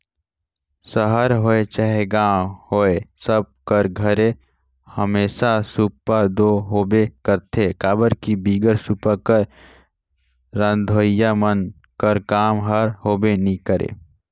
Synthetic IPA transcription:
səɦəɾɦoːet͡ʃəɦeɡãːhoːesəb̚kəɾɡʱəɾe | həmeːʃasupad̪oːɦoːbekəɾt̪ʰekaːbəɾkibiːɡəɾsupakəɾ | ə̃nd̪ʱoːjamən | kəɾkaːmɦəɾhoːbenikəɾḛ

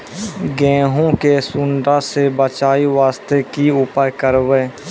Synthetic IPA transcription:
ɡɛ̃ːɦõkesʊɳɖasebət͡ʃaːiʋaːst̪ekiʊpajkəɾʋe

